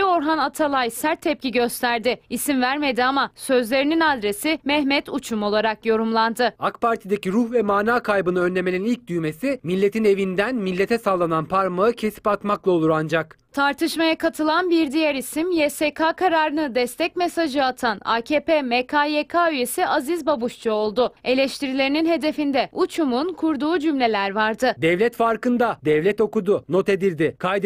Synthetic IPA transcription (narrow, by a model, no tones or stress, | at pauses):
o̞ɾɦanat̪ʰalˠajsæɾt̪ʰːɛp̚cʲiɟø̞st̪ʰæɾd̪ɪisimvæɾme̞d̪iamasø̞zlʲe̞ɾininad̪ɾe̞simɛhmɛt̪ʰut͡ʃʰumo̞lˠaɾakjo̞ɾumlˠand̪ɯakpaɾt̪ʰid̪eciɾuhvɛmaːnaːkʰajbɯnɯønlʲe̞meninilʲc̚d̪yjme̞similʲːe̞t̪ʰine̞vind̪ænmilʲːe̞t̪ʰɛsalˠːananpʰaɾmaɯcʰe̞si̥pat̪maklˠao̞lˠuɾand͡ʒakt̪ʰaɾt̪ʰɯʃmajakʰat̪ʰɯlˠanbiɾd̪ijæɾisimjesekʰaːkʰaɾaːɾɯnɯd̪ɛst̪ʰɛcmesaʒɯat̪ʰana̰cʰeːpeːmekʰaːjekʰaːyje̞siʔazizbabuʃt͡ʃuo̞lˠd̪ʊe̞lʲɛʃt̪ʰiɾilʲe̞ɾininɦe̞d̪e̞find̪ɛut͡ʃʰumunkʰuɾd̪uːd͡ʒymlʲe̞lʲæɾvaɾd̪ɯd̪ɛvlʲɛt̪faɾkɯnd̪ad̪ɛvlʲɛt̪o̞kud̪ʊno̞t̪e̞d̪iɾd̪ɪkʰajd̪